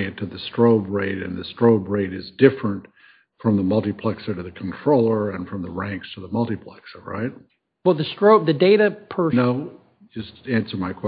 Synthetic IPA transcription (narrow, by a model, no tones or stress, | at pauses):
ɨ̃tʰɨðɨstɹ̥oʊbɹeɪɾɨ̰̃nðɨstɹ̥oʊbɹeɪɾɨzdɪfɹɨ̃nt | fɹʌ̃mðəmʌlˠtɨpʰl̥ɛksə˞ɾɨðɨkʰn̩tʰɹ̥oʊlˠə˞ɨ̃nfɹʌ̃mðəɹæ̃ŋkstʰəðəmʌlˠtɨpʰl̥ɛ̰ksə˞ɹa̰ɪt̚ | wɛlˠðɨstɹ̥oʊb̚ðɨdeɪɾɨpʰə˞noʊ | d͡ʒʌstæ̃nsə˞maɪkʰw̥ɛ